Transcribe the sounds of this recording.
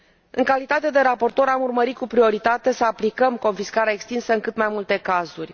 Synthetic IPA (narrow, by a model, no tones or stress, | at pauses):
ɨŋkalit̪at̪e̞d̪e̞ɾapo̞rt̪o̞ɾamurməɾit̪̚kupɾio̞ɾit̪at̪e̞səaplikəmko̞nfiskaɾeaekst̪insəɨŋkɨt̪majmult̪e̞kazurʲ